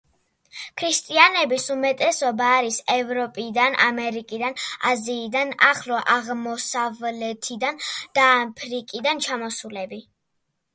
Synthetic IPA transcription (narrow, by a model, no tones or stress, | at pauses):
kʰɾist̪ʼianɛbisumɛt̪ʼɛsɔbaːɾisɛvɾɔpʼid̪ana̰mɛɾikʼid̪ana̰ziːd̪anaχlɔʔaʁmɔsavlɛt̪ʰid̪and̪̥aːpʰɾikʼid̪ant͡ʃʰamɔsulɛbi